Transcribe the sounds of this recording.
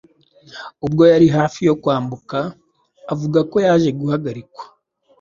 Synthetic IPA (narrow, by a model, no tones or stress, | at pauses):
ubɡo̞jaɾiɦaːfijo̞kwaːmbukaː | vuɡako̞jaːʒe̞ɡuhaɡaɾikwḁ